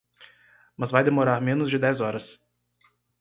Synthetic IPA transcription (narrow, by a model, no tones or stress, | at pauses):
mɐzvajd̪emoɾaɾmẽnʊzd͡ʒɪd̪ɛzɔɾɐs